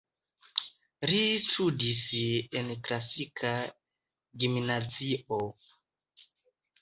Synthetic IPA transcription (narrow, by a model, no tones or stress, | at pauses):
ɾistʰudisenklasikʰa | ɡimnazio